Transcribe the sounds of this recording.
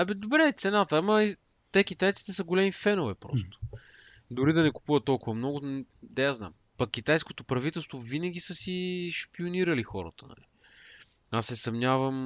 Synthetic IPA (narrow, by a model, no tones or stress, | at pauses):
ɛbɛd̪obɾɛt̪sɛnat̪əamɐi | t̪ɛk̟it̪ajt̪i̥t̪ɛsɐɡolʲɛmifɛnovɛpɾɔ̰st̪ʊ̥ | d̪ʊɾid̪ɐnɛku̥puvɐt̪ːɔlˠkʊvɐmnɔɡʊd̪ɛjazna̰m | pɐkːit̪ajskot̪opɾɐvit̪ɛlˠst̪vovinəɡ̟ʲisəsiʃpioniɾɐlixɔɾə̰t̪ənɐ̰li | asːɛsɐmnʲavəm